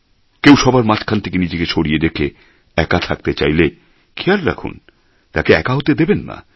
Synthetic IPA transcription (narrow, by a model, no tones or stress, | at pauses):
kewʃɔbaɾmat͡ɕkʰant̪ʰekenid͡ʑeket͡ɕʰoɽijed̪ekʰe | ɛkat̪ʰak̚t̪et͡ɕa̰jle | kʰeaɾɾa̰kʰṵn | t̪a̰keɛ̰kaɦot̪ed̪ebenːa̰